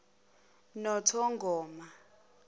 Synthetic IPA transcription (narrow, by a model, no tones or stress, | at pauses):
nɔtʰɔŋɡʱɔːma